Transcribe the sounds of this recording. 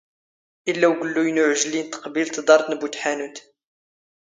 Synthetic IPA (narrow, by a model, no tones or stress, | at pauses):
ʔəlːæwɡəlːujnʊʕʒlint̪ə̥qbilt̪d̪ˤɑɾˤt̪nbut̪ħænut̪